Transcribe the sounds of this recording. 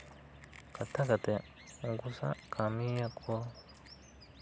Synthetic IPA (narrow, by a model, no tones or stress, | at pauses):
katakate | ŋɡusa̰kʰamijakwo